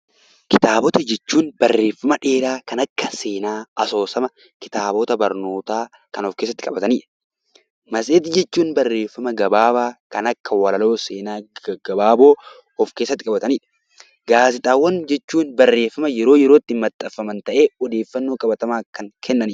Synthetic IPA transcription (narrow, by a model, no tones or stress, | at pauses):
kɪt̪aːbɔt̪ɐd͡ʒɛt͡ʃːuːnbɐrːe̞ːfːɐmɐᶑe̞ːɾaːkɐnɐkːɐse̞ːnaːɐso̞ːsɐmɐ | kɪt̪aːbɔt̪ɐbɐɾno̞ːt̪aː | kɐnɔfkeːsːɐt̪ːɪ̥kʼɐbɐt̪ɐniːᶑɐ | mɐseːt̪ɪd͡ʒɛt͡ʃːuːnbɐrːe̞ːfːɐmɐɡɐbaːbaːkɐnɐkːɐwɐlɐlo̞ːse̞ːnaːɡ̥ɐbaːbo̞ː | ɔfkeːsːɐt̪ːɪkʼɐbɐt̪ɐniːᶑɐ̥ | ɡaːsɪt̪ʼaːwːɐnd͡ʒɛt͡ʃːuːnbɐrːe̞ːfːɐmɐjɛɾo̞ːjɛɾoːt̪ːɪmɐt̪ʼːɐfːɐmɐnt̪ɐʔe̞ːɔd̪e̞ːfːɐnːo̞ːkʼɐbɐt̪ɐmaːkɐŋkʰɛnːɐni